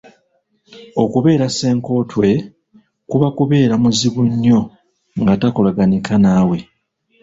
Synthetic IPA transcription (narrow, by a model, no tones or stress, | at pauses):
o̞kuβe̞ːɾase̞ːŋko̞ːtwe̞ | kuβakuβe̞ːɾamuziβuɲːo̞ | ŋɡatako̞laɡanikanaːwe̞